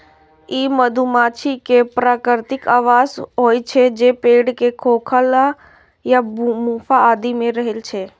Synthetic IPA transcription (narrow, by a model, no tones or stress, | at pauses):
iːməd̪ʱumaːt͡ʃʰikepɾaːkɾɾt̪ɪkaːʋaːzɦoːjt͡ʃʰed͡ʒeːpeːɖkekʰoːkʰəla | jamũːfaaːd̪imẽɾɐɦɪlt͡ʃʰeː